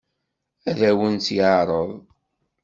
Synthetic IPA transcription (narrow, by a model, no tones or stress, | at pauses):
æðæwənt͡sjʕɾˤəðˤ